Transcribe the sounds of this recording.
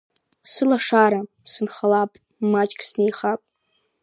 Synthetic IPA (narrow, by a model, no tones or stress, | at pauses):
sɨlaʂaɾa | sɨnχalapʼ | mat͡ʃʼkʲʰʼsnejχapʼ